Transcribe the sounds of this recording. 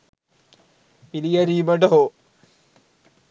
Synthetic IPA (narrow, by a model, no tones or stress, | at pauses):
pilijɐɾiːbɐɖɐɦo